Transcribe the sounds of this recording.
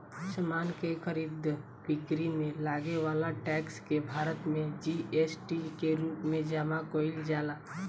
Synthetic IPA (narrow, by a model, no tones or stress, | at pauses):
səmaːnkekʰəɾiːd̪ʱ | bɪkɾimẽlaːɡewaːlaʈɛːkskebʱaːɾət̪mẽd͡ʒiʔeːsʈikeɾuːpmẽd͡ʒaːmakoːɪld͡ʒaːlaː